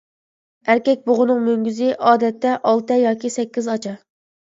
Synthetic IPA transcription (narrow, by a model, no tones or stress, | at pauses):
æɾkʲɛk̚ʲboʁʊnɨŋmøŋɡʲyzɪʔɑːd̪ɛt̪ːɛʔɑlˠt̪ɨjɑːkʲisɛkʲːizɑt͡ʃʰɑ